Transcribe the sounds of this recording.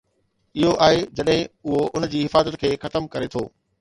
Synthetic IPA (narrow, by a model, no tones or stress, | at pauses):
ɪɦoʔaːɦed͡ʑɐɗɦɪ̃ʊɦoʔʊnd͡ʑiːɦɪfaːzət̪̚kʰeːxɐt̪əmkɐɾet̪ʰoː